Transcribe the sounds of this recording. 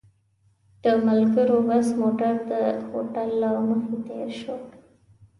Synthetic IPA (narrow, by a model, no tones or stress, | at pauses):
d̪̥əmalɡəɾowazmoʈaɾd̪əhoʈalːawməxet̪ḛɾʃo